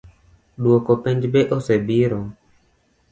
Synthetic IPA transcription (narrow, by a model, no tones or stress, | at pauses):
ɗwokopeɲd͡ʒbeʔosebiɾo